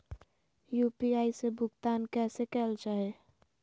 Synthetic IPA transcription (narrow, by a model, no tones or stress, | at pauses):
juːpiaːisebʱʊɡt̪ankɛsekɛːlt͡ʃaːɦe